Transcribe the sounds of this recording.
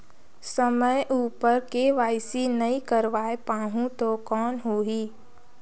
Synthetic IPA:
səməjʔuːpəɾkeʋaːɪsinɐĩkəɾʋaːepaːɦũt̪okɔːnɦoːɦiː

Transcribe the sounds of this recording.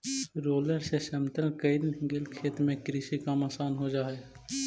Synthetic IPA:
ɾoːleseʃəmt̪əlkəɪd̪ɡɪlkʰeːt̪mẽkɾɪʃikamaːsaːnɦod͡ʒaːeː

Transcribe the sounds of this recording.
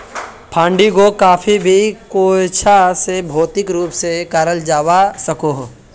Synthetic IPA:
pʰãːɳɖikokaːpʰibʱikoːt͡ʃʰasebʱoːt̪ɪkɾuːpsekaːɾəld͡ʒaːwasɐkoːɦ

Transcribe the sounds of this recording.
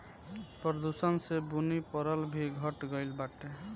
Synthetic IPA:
pɾəd̪usənsebunipɔɾəlbʱiɡʱəʈɡəjlbaʈe

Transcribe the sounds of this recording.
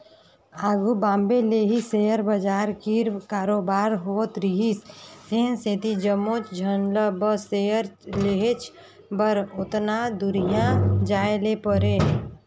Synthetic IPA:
aːɡubãːmbeleɦisejəɾbəd͡ʒaːɾkiɾkaːɾoːbaːɾɦoːt̪ɾiɦisd̪eːnset̪id͡ʒəmːot͡ʃd͡ʒʱənləbəseəɾleɦet͡ʃʰ | bəɾʊt̪nad̪uɾijãd͡ʒaːelepəɾe

